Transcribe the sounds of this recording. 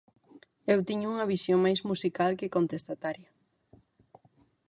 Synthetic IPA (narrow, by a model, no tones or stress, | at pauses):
ewt̪iɲʊuŋɐβ̞isjoŋmajzmusikalkekont̪est̪at̪aɾjɐ